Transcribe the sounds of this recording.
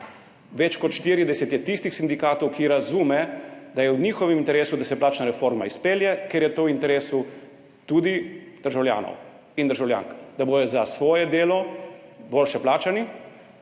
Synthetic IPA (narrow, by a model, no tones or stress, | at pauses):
ʋɛt͡ʃkɔt̪ʃt̪iɾid̪ɛsɛt̪jɛt̪ist̪ixsind̪ikaːt̪ɔwkiɾazuːmɛd̪ajɛwniːxɔʋɛmint̪ɛɾeːsud̪asɛplaːt͡ʃnaɾɛfoɾmaispeːljɛkeɾjɛt̪oːwint̪ɛɾeːsu | t̪uːd̪i | d̪̥əɾʒawlja̰ːnɔ̰w | ind̪əɾʒawlja̰ːŋkd̪abojɔzasʋɔːjɛd̪eːlɔboːlʃɛplaːt͡ʃani